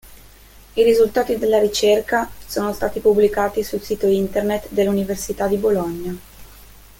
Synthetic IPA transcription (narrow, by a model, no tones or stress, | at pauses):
iɾizult̪aːt̪id̪elːaɾit͡ʃerkasoːnost̪aːt̪ipubːlikaːt̪isulsiːt̪oint̪ernet̪d̪elːuniversit̪ad̪iboloɲːa